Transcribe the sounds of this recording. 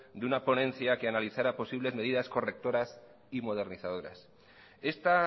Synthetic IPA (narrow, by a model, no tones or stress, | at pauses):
d̪unapo̞nẽ̞n̟θjake̞analiθaɾapo̞siβ̞le̞zme̞ð̞iðasko̞re̞k̚t̪o̞ɾas | imo̞ð̞e̞ɾniθað̞o̞ɾa̰s | e̞st̪a